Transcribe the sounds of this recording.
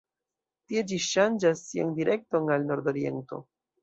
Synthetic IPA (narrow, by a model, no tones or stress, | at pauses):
tie̞d͡ʒiʃand͡ʒasːia̰ndiɾe̞k̚to̞nalno̞ɾdo̞ɾie̞̰nto̞̰